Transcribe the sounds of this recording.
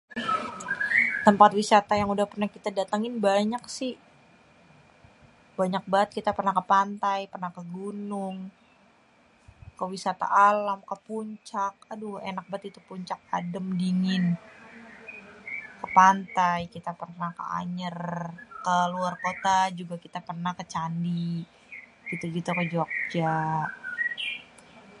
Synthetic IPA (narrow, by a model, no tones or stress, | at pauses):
t̪əmpat̪wisat̪ajaŋudahpərnahkit̪adat̪aŋɪnbaɲaksɪh | baɲak̚baət̪̚kit̪apərnakəpant̪ajpərnahkəɡunʊŋ | kəwisat̪a̰ʔalamkəpuɲt͡ʃak̚aduenak̚baət̪it̪upuɲt͡ʃak̚a̰dəmdiŋɪn | kəpant̪ajkit̪apərnahkə̰a̰ɲərkəluarkot̪ad͡ʒuɡakit̪apərnahkət͡ʃandi | ɡ̥it̪uɡit̪ukəd͡ʒuak̚d͡ʒa